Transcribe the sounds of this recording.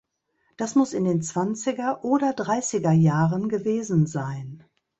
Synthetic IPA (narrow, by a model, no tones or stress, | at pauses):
d̥asmʊsɪndeːnt͡sv̥ant͡sɪɡɐʔoːdɐdʁaɪsɪɡɐjaːʁənɡəveːzn̩zaɪn